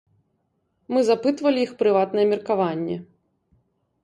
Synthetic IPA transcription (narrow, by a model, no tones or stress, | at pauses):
mɨzapɨt̪vɐlʲiixpɾɨvat̪nɐjɛmʲɛrkavanʲːɛ̰